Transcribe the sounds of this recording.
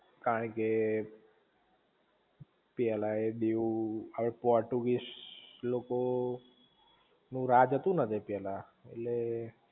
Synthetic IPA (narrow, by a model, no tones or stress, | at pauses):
kaɾəɳke | pjɛlaeɗeuaɽepɔɾʈuɡiʃloko | nũɾad͡ʒət̪ũnət̪ʰipɛla | ḛlle